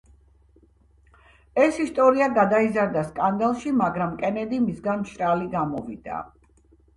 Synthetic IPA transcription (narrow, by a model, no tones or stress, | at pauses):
ɛsist̪ʼɔɾiaɡad̪aizaɾd̪askʼand̪alˠʃimaɡɾamkʼɛnɛd̪imisɡanʃʼɾaliɡamɔvid̪̥a̰